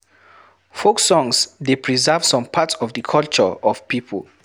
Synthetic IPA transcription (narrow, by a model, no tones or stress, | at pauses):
foksɔ̃ŋsdepʰɹizɛvsɔ̃mpʰatɔvdəkʰɔlt͡ʃə̰ɔv̥pipʰə̰l